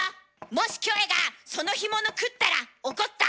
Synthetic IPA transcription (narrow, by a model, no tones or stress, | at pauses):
mo̞ɕi̥kʲo̞eɡaso̞no̞çimonokɯ̟t̪ːaɾaoko̞t̪ːa̰